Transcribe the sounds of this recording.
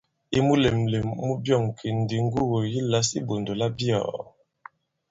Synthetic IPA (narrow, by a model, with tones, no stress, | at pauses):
i˦mu˦le˨mle˨mːu˦bjɔ˦˨ŋ˨kʰi˨n˨di˨ŋ˦ɡu˦ɣo˨ji˦la˨˦si˦bo˨ndo˨la˦bjɔ̰˨